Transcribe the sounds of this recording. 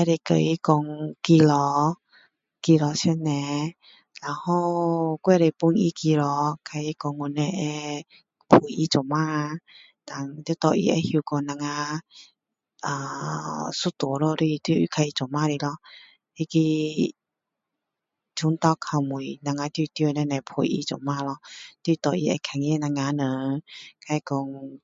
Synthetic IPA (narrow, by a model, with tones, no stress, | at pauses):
ɛ˧ɾe˧kə̰˧˨ʔi˧˦kɔ˧ŋki˧lɔ˧˦ | ki˧lɔ˧sɛ˧˦nnːɛ̃˧ | la˨˧hɔ˥˧kwɛ˥˧˨ɾe˧˨pu˧˦ni˧˦ki˧lɔ˧kʰa˧i˧˦kɔ˧ŋːu˧nːɛ̃˧ʔɛ˧ | pʰu˨˩˨i˧˦t͡sɔ˨ma˧˦ | t̪a˨ŋt̪t̪ɔ˧ʔḭ˧ɛ̰˧hu˧kɔ˧nã˧ŋa˧ | ʔaː˨ | su˧˦t̪o˨˦lɔ˧ɾi˧˨t̪i˧kʰa˧i˧˨t͡sɔ˨maː˧˨ɾi˧lɔ˧˨ | i˧˨ki˧ | t͡ʃʰu˧˦ŋt̪a˧˨kʰa˧˩wmu˨jnã˨˧˨ŋa˧t̪i˧t̪jo˧nɛ˧˨nɛ˧pʰṵ˨˩jʔḭ˧˦t͡sɔ̰˨maː˧˨lɔ˧t̪wi˧˨t̪ɔ˨˧˨ʔi˧ɛ̰˧kʰa˨ŋjɛ˧˦˨na˧ŋːa˧˨nə˨˦kʰa˧i˧kɔ˧ŋ